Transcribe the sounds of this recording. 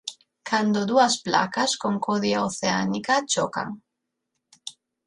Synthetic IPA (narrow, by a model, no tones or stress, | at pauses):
kʰand̪od̪uaspla̰kaskoŋkoðjaoθea̰nikat͡ʃoka̰ŋ